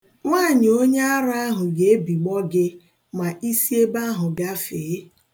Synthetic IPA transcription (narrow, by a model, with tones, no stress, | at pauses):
ŋʷaː˦˨ɲɪ˨o˦ɲe˦a˦ɾa˦a˦ɦʊ˨ɡe˨e˦bi˨ɡ͡bɔ˦ɡɪ˦ | ma˨ʔi˦si˦e˦ba˦ɦʊ˨ɡa˦feː˨˦